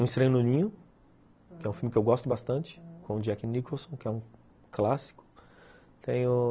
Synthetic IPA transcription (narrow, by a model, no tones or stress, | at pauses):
ũist̪ɾẽjnõnĩɲʊ | kɪɛũfiwmɪkɪewɡɔst̪ʊbast̪ɐ̃nt͡ʃɪ̥kõd͡ʒɛkɪnikõwsõw̃kɪɛũ | klasi̥kʊ̥ | t̪ẽj̃ʊ